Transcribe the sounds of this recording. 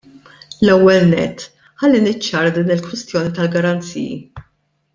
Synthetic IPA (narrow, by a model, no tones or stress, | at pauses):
lɛwːɛlnɛ̰t̪ː | ħɐlːinɪt͡ʃːɐːɾɐd̪iːnɪlkwɪst̪jɔːnit̪ɐlɡɐɾɐnt͡sḭːjḭ